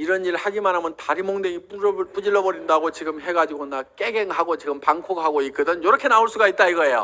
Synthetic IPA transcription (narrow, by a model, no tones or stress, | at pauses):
iɾʌniɾɭhaɡimanɦamʌntaɾimoŋdeŋip͈uɾɯɭp͈ud͡ʑiɭːʌbʌɾindaɡot͡ɕiɡɯmɦe̞ɡad͡ʑiɡonak͈e̞ɡe̞ŋɦaɡot͡ɕiɡɯmpaŋkʰokɦaɡoik͈ɯdɯnjʌɾʌkʰe̞naoɭs͈uɡait̚t͈aiɡʌe̞jo̰